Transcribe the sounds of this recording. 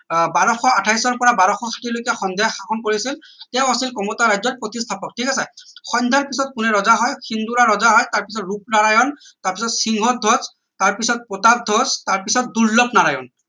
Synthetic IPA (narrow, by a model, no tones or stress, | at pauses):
baɹɔxɔatʰajsɔɹpɔɹabaɹɔxɔkʰḁtiɹlojkɛxɔnd̪ʱajɔxakʰɔnkoɹisil | tɛʊ̃asilkɔmɔtaɹajzɔt̚pɹot̪istʰapɔk̚tʰikasɛxɔnd̪ʱaɹpisɔt̚kʊnɛɹɔzaɦɔjxʰind̪uɹaɹɔzaɦɔjtaɹpisɔtɹup̚naɹajɔn | taɹpisɔtsiŋɦɔd̪ʱɔz | taɹpisɔt̚pɔtat̚d̪ʱɔztaɹpisɔt̚duɹlɔpnaɹajɔn